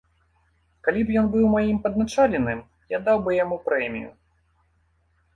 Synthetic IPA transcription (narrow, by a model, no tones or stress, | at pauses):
kalʲipjɔnbɨwmajimpɐd̪̚nat͡ʂalʲɪnɨm | jad̪awbɨjamupɾɛmʲḭjṵ